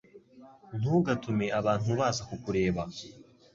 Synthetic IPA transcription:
n̥uːɡatʰumeʔaβaːn̥huβaːzakukuɾe̞ːβa

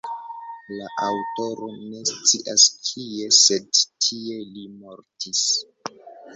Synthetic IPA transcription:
laʔawto̞ɾo̞ne̞st͡siʔaskʰie̞sedtʰie̞limo̞ɾtis

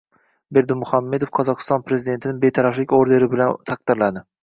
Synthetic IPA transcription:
be̞ɾd̪ɪmːʊhamːe̞d̪ofqʰɒzɒqʰɨ̥st̪ɒnpɾezid̪ent̪ʰɪnɪŋbe̞t̪ʰaɾaflɪkʲoɾd̪e̞ɾɪbɪlant̪ʰaq̚d̪̥ɪɾlad̪ɪ

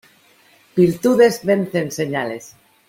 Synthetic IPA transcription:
b̥iɾt̪uðe̞zβe̞nθe̞nseɲale̞s

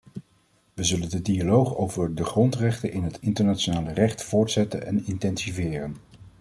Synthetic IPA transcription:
ʋəzɵləndədialowχowvəɹdəχrɔntrɛχtənʔɪnɦətɪntəɹnat͡ʃonaːlərɛχtfʊːɹtsɛtənɛ̰nɪntɛnsivɪːrən

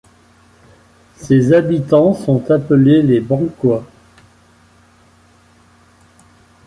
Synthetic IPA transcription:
sezabit̪ɑ̃sɔ̃t̪apəlelebɑ̃kwa

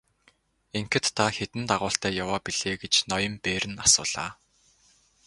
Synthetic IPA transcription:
eŋkɘ̆t̪ʰːaxet̪ɘ̆nt̪aʁʊːɬt̪æːjawaːpiɮ̥eːɡet͡ɕnɔjə̆mpeːɾɘ̆nasʊ̰ːɮ̥a̰ː

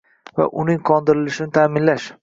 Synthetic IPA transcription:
va̰ʔʊnɪŋqʰɒnd̪ɪɾɪlɪʃɪnɪt̪ʰaːmɪnlaʃ

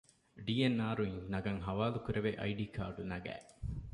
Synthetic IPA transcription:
ɖiːenːaːɾuiŋnɐɡɐŋɦɐʋaːlukuɾeʋeʔɐ̰jɖiːkʰa̰ːɖunɐɡæ̰ː

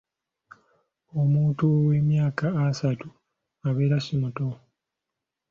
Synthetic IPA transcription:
omuːtuwe̞mjaːkaːsatu | aβe̞ːɾasimuto

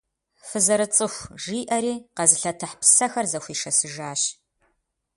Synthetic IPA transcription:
fɨzɐɾɨt͡sʼɨxʷʒiːʔɐɾiːqɐzɨɬɐtʰɐħpʰsɐxɐrzɐxʷiːʂɐsɨʒaːɕ

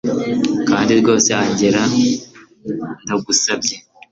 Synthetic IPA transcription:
kaːndiɾɡo̞ːseaɲɟeɾa | ndaɡusabɟe̞

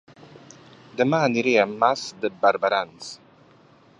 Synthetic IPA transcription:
d̪əmaːniɾiːamːasd̪əbaɾbaɾans

